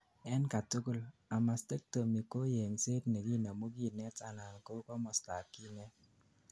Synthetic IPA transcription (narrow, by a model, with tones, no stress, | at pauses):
ɛ˦nka˨tʊ˦kʊ˦la˨ma˨ste˦k̚to˨mi˨ko˦je˨ŋse˦tne˨ɡi˦˨na˨mu˦ɡi˦˨nɛ˦ta˦˨na˨nko˦kɔ˦mɔ˨sta˨kːi˦nɛ˦